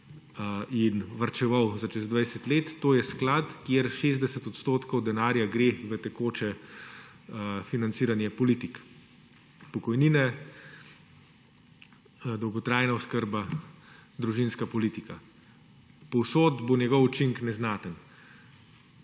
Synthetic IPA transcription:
inʋɐɾt͡ʃɛʋawzat͡ʃɛzd̪ʋajsɛt̪leːt̪ːoːjɛsklaːt̪kjeɾʃeːzd̪ɛsət̪ɔt̪st̪oːt̪kɔwd̪ɛnaːɾjaɡɾeʋət̪ɛkoːt͡ʃɛ | finansiːɾanjɛpɔliːt̪ik | pɔkɔjniːnɛ | d̪ɔwɡɔt̪ɾaːjnaɔskəɾba | d̪ɾuʒinskapɔliːt̪ika | pɔwsoːd̪bonjɛɡɔwut͡ʃiŋknɛznaːt̪ən

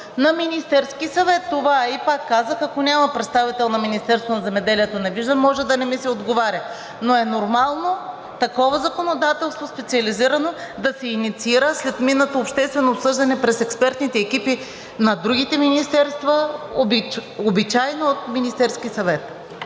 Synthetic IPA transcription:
nɐminist̪ɛɾskisɐvɛt̪ːovaipakːazəxɐkonʲamɐpɾɛt̪st̪avit̪ɛlˠnɐminist̪ɛɾst̪vonɐzɛmɛd̪ɛliɛt̪onɛviʒd̪əmmːɔʒɛd̪ɐnɛmisɛod̪ɡovaɾʲə | noɛnoɾmalˠno | t̪ɐkɔvɐzɐkonod̪at̪ɛlˠst̪vospɛt̪siɐliziɾɐnod̪ɐsɛinit̪siiɾəslɛt̪minːət̪oːpʃt̪ɛst̪vɛnoːpsɤʒd̪ɐnɛpɾɛsɛkspɛɾt̪nit̪ɛːkipi | nɐd̪ɾuɡ̟it̪ɛminist̪ɛɾst̪vɐobobit͡ʃajnoot̪minist̪ɛɾskʲisɐvɛt̪

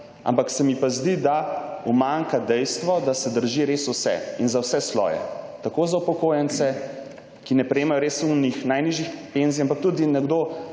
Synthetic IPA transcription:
ʔa̰mpaksɛmipazd̪id̪aumaŋkad̪ɛjst̪ʋɔd̪asɛd̪əɾʒiɾesusɛ̰inzawsɛslɔ̰ːjɛ̰t̪akoːzaupɔkoːjɛnt̪sɛ | kinɛpɾɛjeːmajɔɾesunixnajniʒixpenziampak̚t̪uːd̪inɛɡd̪o

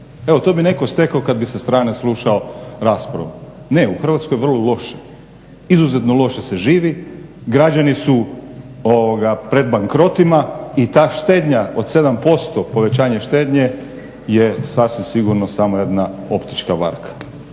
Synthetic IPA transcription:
e̞ʋo̞t̪o̞ːbine̞kost̪e̞kaokad̪bisest̪ɾaːne̞slˠuːʃaoɾaːspɾa̰ʋane̞uxr̩ʋat̪skojʋr̩lolo̞ʃe̥ | izuzet̪nolˠo̞ʃese̞ʒiːʋiɡɾad͡ʒanisu | oʋoɡapɾe̞d̪̚baŋkɾo̞t̪imait̪aːʃt̪e̞ːd̪ɲaod̪se̞d̪ampo̞st̪opo̞ʋe̞t͡ɕaːɲeʃt̪e̞ːd̪ɲe | jesasʋimsiɡuɾnosamoje̞d̪nao̞pt̪i̥t͡ʃkaba̰ɾkʰḁ

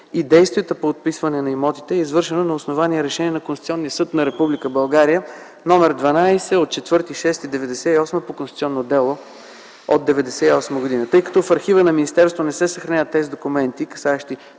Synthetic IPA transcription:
id̪ɛjst̪viɛt̪əpoːt̪̚pisvɐnɛnɐimɔt̪i̥t̪ɛɛizvɤɾʃɛnonɐosnovaniɛɾɛʃɛniɛnɐkõnst̪i̥t̪iɔnːijəsɤt̪nɐɾɛpublikəbɐlˠɡaɾijə | nɔmɛɾd̪vɐnajsɛot̪̚t͡ʃɛt̪vɤɾt̪iʃɛst̪id̪ɛvɛd̪ɛsɛiɔsməpokonst̪i̥t̪sʲiɔnːod̪ɛlˠo | od̪̚d̪ɛvɛd̪ɛsɛiɔsməɡod̪inət̪ɤjkɐ̥t̪ɔfɐɾxivənɐminist̪ɛɾst̪vonɛsɛsəxɾɐnʲavət̪ːɛzid̪okumɛnt̪ikɐ̥saɛʃt̪i

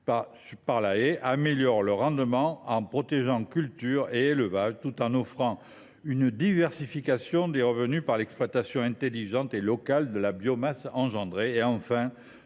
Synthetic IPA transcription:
paspaʁlaeʔameljɔʁləʁɑ̃d̪əmɑ̃ɑ̃pχɔt̪eʒɑ̃kʲylt̪yʁeeləvaʒt̪ut̪ɑ̃nɔfχɑ̃ | ynd̪ivɛʁsifikasjɔ̃d̪eʁəvənypaʁlɛksplwat̪asjɔ̃ɛ̃t̪eliʒɑ̃t̪elɔkald̪əlabjɔmasɑ̃ʒɑ̃d̪ʁeeɑ̃fɛ̃

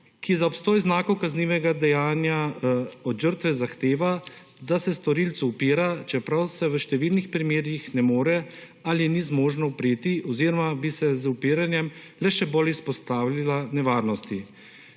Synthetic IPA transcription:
kizaɔpst̪oːjznaːkɔkazniːʋɛɡad̪ɛjaːnjaɔd̪ʒəɾt̪ʋɛzaxt̪eːʋa | d̪asɛst̪ɔɾiːlt̪suːpiːɾat͡ʃɛpɾawsɛʋəʃt̪ɛʋiːlnixpɾimeːɾjixnɛmoːɾɛ | aljɛnizmoːʒnɔpɾeːt̪iʔɔziːɾɔmabisɛzupiːɾanjɛm | lɛʃɛbolispɔst̪aːwlalanɛʋaːɾnɔst̪i

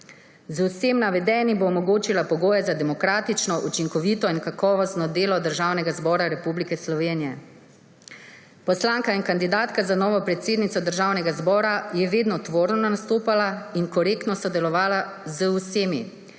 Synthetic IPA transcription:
zwsemnaʋɛd̪ɛːniboːmɔɡoːt͡ʃilapɔɡoːjɛzad̪ɛmɔkɾaːt̪it͡ʃnɔʔut͡ʃiŋkɔʋiːt̪ɔinkakɔːʋɔst̪nɔd̪eːlɔd̪əɾʒaːwnɛɡazbɔːɾaɾɛpublikɛslɔʋeːnijɛ | pɔslaːŋkainkand̪id̪aːt̪kazanɔːʋɔpɾɛt̪seːd̪nit̪ɔd̪əɾʒaːwnɛɡazbɔːɾajɛʋeːd̪nɔt̪ʋoːɾnɔnast̪oːpalainkɔɾeːkt̪nɔsɔd̪ɛlɔʋaːla | zwseːmi

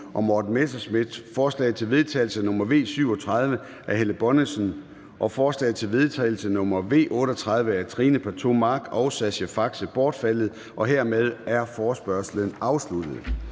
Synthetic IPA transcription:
ʔɒ̽mɒːd̥n̩mesɐsmid̥fɒːslɛ̰ːð̩ˠt͡sʰe̝lʋe̝ð̞ˠt͡sʰɛ̰ɪl̩sənɔ̽mɐʋe̝̰ːsyʊ̰ɒ̽t͡sʰʁɑ̈ð̞ˠʋə | ʔæɐɦeləb̥ɒ̽nəsən | ʔɒ̽fɒːslɛ̰ɪð̩ˠt͡sʰe̝lʋe̝ð̞ˠt͡sʰɛ̰ːɪl̩sənɔ̽mɐʋe̝̰ːʔɔ̽ːɾ̥əɒt͡sʰʁɑ̈ð̞ˠʋəæt͡sʰʁiːnəpʰæɐt͡sʰo̝̰mɑ̈ɡ̥ɒʊsæɕəfɑ̈ɡ̥səb̥ɒːd̥fæl̰ð̞̩ˠ | ʔɒ̽ɦeɐ̰með̞ˠæɐfɒːsb̥ɶɐslənɑ̈ʊslud̥əð̞̩ˠ

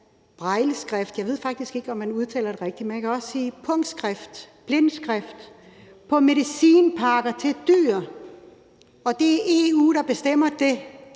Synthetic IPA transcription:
b̥ʁɑ̈ɪləsɡ̥ʁafd̥jɑ̈ɪe̝ð̞̰ˠfɑ̈ɡ̥̚d̥isɡ̥e̝ɡ̥əɒ̽mːænuð̞ˠt͡sʰɛ̰ːlɐɾ̥e̝ʁɛɡ̥̚d̥imenækʰæɒ̽ssiːpʰɔ̽ŋ̰̥sɡ̥ʁafd̥b̥lensɡ̥ʁafd̥ | pʰɒ̽me̝ðˠisiːnpʰɑ̈ɡ̥ɐt͡sʰe̝d̥yːɐ | ɒ̽d̥e̝æɐʔe̝ṵːɾ̥ɑ̈b̥e̝sd̥em̰ɐd̥e̝

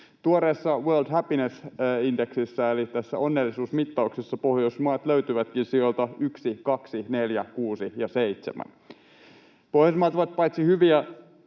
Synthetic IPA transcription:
t̪uoɾeːsːɑʋøːld̪hæpinesindeksisːæelit̪æsːæ̰o̞nːelːisuːsmit̪ːɑuksesːɑpo̞hjosmɑːt̪løyt̪yʋæt̪kinsiolt̪ɑyksikɑksine̞ljækuːsijɑse̞it̪semæ̰n | pohjɑsmɑːt̪oʋɑt̪̚pɑjt̪sihyʋiæ

